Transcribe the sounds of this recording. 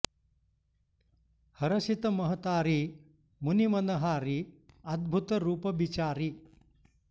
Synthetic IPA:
hɐɾɐsit̪ɐmɐɦɐt̪aːɾi | munimɐnɐɦaːɾiɐd̪̚bʱut̪ɐɾuːpɐbit͡ʃaːɾi

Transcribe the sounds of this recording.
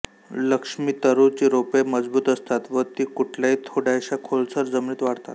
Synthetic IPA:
ləkʂmiːt̪əɾut͡ɕiːɾopeməd͡zbuːt̪əst̪at̪ʋəɾt̪iːkuʈʰljaiːt̪ʰoɽajɕakʰolt͡səɾd͡zəmɳiːt̪ʋaɽt̪a̰t̪

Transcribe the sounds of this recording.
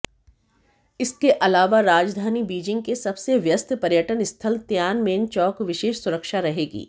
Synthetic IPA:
ɪskeʔɐlaːʋaɾaːd͡ʒd̪ʱaːnibiːd͡ʒɪ̃ŋɡ̚kesɐbseʋjəst̪ʰpɐɾjəʈənɪst̪ʰəlt̪jaːnmeːnt͡ʃɔːkʋɪʃeːʃsʊɾəkʃaɾɐɦeːɡḭː

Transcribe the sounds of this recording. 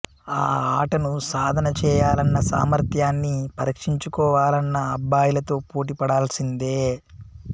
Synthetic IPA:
aːaːʈɐnusaːd̪ʱɐnɐt͡ʃɛːjaːlɐnːɐsa̰ːmɐɾt̪jaːnːipɐɾikʂiɲt͡ʃukɔːʋaːlɐnːɐːbːaːjulɐt̪o̞ːpoːʈ̬ipɐɽaːlɐsind̪eː

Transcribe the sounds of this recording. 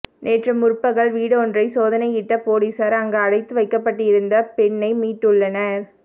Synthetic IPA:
neːʈrɐmʊɾpːɐɣɐɭʋiːɽɐɔndrɐɪsoːðɐnɐɪɪʈːɐpoːɽisaɾɐŋɡɐɐɽɐɪt̪ːɯʋɐɪkːɐpːɐʈːɪɪɾɯnd̪ɐpɛɳːɐɪmiːʈːɯɭːɐnɐɾ

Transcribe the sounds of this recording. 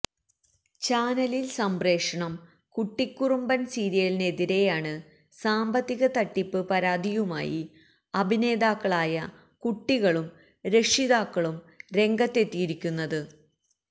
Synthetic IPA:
t͡ɕaːnɐlilsɐmbre̞ːkʂɐɳɐm | kuʈːikʲːurumbɐnsiːɾijɐline̞ðiɾe̞jaːɳɨ | saːmbɐt̪ːiɣɐt̪ɐʈːipːɨpɐɾaːd̪ʱijuma̰ːjḭ | ɐbʱine̞ːd̪aːkːɐɭaːjɐ | kuʈːiɣɐɭum | ɾe̞ʂiðaːkːɐɭum | ɾe̞ŋɡɐt̪ːe̞t̪ːijiɾikʲːunːɐðɨ

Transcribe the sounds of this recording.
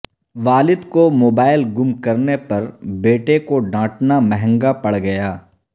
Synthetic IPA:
ʋaːlɪd̪komoːbaːɪlɡʊmkɐɾnepɐɾbeːʈekoɖãːʈnamɛɦɛ̃ŋɡapɐɽɡɐjaː

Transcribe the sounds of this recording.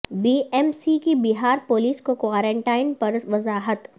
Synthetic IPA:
biːɛmsikibiɦaːɾpoːliːskokwaːɾẽːɳʈaːɪnpɐɾʋɐzaːɦət̪

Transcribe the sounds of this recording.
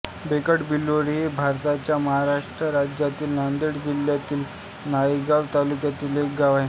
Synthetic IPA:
bekəʈbilːoɽibʱaɾt̪at͡ɕjaməɦaɾaʂʈɾəɾad͡ʑjat̪iːlnand̪iɽd͡ʑiljat̪iːl | najəɡaʋt̪alukjat̪iːlekɡaʋaj

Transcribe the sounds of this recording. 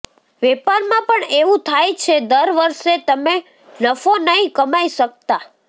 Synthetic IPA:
ʋɛpaɾmãpəɳeʋũt̪ʰajt͡ʃʰed̪əɾʋəɾʃet̪əme | nəfonəɦĩkəmajʃək̚t̪a

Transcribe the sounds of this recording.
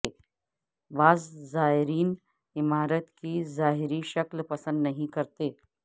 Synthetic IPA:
e | baːzːaːɦɪɾiːn | ɪmaːɾət̪kizaːɦɪɾiʃɐklpɐsə̃nd̪nɐɦĩkɐɾt̪eː

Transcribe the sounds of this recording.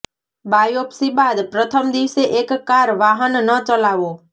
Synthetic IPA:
bajopsibad̪pɾət̪ʰəmd̪iʋseʔekːaɾʋaɦənnət͡ʃəlaʋo

